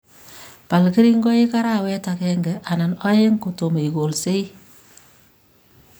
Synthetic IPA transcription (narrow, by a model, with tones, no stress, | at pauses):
pa˨lke˦ɾi˦ŋɡɔ˦je˦ka˦ɾa˦˨wɛ˦ta˨kɛ˦ŋɡɛ˨ʔa˨na˨nɔ˦je˦ŋko˨to˨me˨i˨ɡo˨lse˦i˦